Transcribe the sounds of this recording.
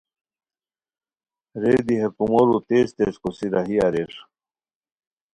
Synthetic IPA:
ɾeːd̪iɦɐɾkumoɾut̪eːst̪eskosiɾaɦiaɾeʂ

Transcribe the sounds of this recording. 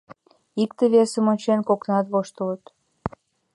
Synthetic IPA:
ik̚t̪əβesəmonʲt͡ɕenkoknɑt̪βoʃt̪ələt̪

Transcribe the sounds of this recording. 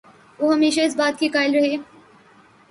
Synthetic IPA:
ʋoːɦɐmeːʃaɪs̬baːt̪̚kiːkaːɪlɾɐɦeː

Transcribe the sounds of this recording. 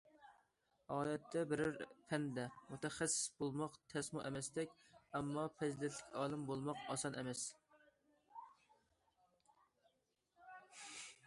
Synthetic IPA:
ɑːlɛt̪ʰːɛbɪɾɪɾpʰɛnd̪ɛmut̪ɛχæsːɪ̥sbolˠmɑqt̪ʰɛsmuʔɛmɛst̪ɛkʲɛmːɑpʰɛzɪd̪ɛnt̪ʰlɪkʲʰɑːlˠɨmbolˠmɑqɑsɑnʔɛmɛs

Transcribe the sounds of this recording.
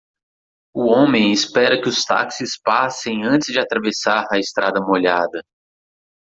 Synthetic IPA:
ʊõmẽj̃ɪspɛɾɐkɪʊst̪a̰ksɪspasẽj̃ɐ̃t̪ɪzd͡ʒɪat̪ɾavesaɾɐɪst̪ɾad̪ɐmoʎad̪ɐ

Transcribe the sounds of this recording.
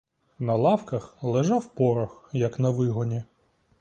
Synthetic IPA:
nɐlˠɑwkɐxlˠeʒɑwpɔɾɐxjɐknɐʋɪɦɔnʲi

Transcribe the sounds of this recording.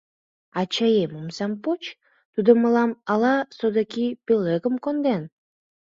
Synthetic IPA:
ɑt͡ɕɑjeməmsɑmpot͡ɕ | t̪ud̪oməlɑmɑlɑsod̪əkipøleɣəmkond̪en

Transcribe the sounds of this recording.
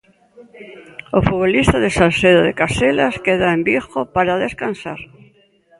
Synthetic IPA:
ofuβolist̪aðesalseðoðḛkaselaskeðaembixopaɾaðeskansaɾ

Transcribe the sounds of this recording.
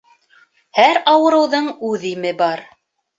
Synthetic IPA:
hæɾɑwɤ̆ɾɤ̆wðɤɴʉðimɘbɑɾ

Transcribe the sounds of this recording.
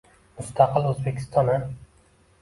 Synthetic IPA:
mʊst̪ʰaqɨlˠɵzbekʲʰɪ̥st̪ʰɒna

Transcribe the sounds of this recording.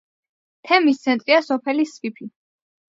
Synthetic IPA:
t̪ʰɛmist̪sʰɛnt̪ʼɾiasɔpʰɛlisvipʰi

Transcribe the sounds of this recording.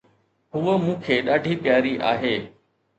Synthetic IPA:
ɦʊʋəmũːkʰeːɗaːɖʱipjaːɾiʔa̰ːɦeː

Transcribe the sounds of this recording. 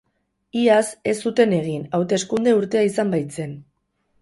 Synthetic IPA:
iase̞sːut̪e̞ne̞ɣ̞inawt̪e̞skund̪e̞uɾt̪e̞aisambajt͡se̞n

